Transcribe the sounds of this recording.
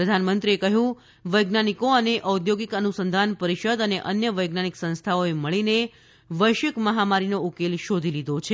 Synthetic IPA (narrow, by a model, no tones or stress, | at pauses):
ɾəd̪ʱanmənt̪ɾiekəɦjũ | ʋəjɡnanikoəneʔəud̪joɡikənusənd̪ʱanpəɾiʃəd̪əneʔənjəʋəjɡnaniksə̃nst̪ʰaoeməɭine | ʋəjʃəkməɦamaɾinoukelʃod̪ʱilid̪ʱot͡ʃʰe